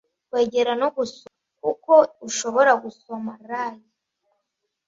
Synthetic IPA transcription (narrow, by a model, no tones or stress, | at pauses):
kweːɟeɾanoɡus | kuko̞uʃo̞βo̞ɾaɡusomaɾaːji